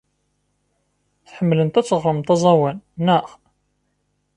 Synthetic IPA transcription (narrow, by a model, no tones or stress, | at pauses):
θħəmːlənt̪æt͡sːəʁɾˤəmt̪ˤɑzˤɑwænnːəχ